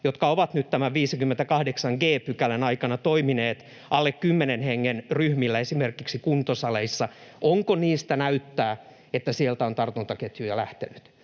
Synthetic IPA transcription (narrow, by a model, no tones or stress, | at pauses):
jot̪kɑoʋɑt̪nyt̪t̪æmæʋiːsikymːent̪ækɑhdeksɑŋɡeːpykælenɑikɑnɑt̪oimineːt̪ | ʔɑlːekkymːenenheŋːenryhmilːæesimerkiksikunt̪osɑleisːɑ | ʔoŋkoniːst̪ænæyt̪ːæː | et̪ːæsielt̪æont̪ɑrt̪unt̪ɑket̪jujɑlæht̪ḛnyt̪